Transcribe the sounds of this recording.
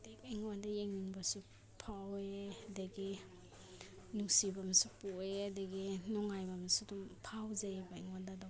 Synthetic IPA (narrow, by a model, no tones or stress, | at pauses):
deɡjŋwandajeŋniŋbasu | pʰawedaɡi | nuŋsibamsupuedaɡinɔŋajbamsudumpʰawzabaiŋwandada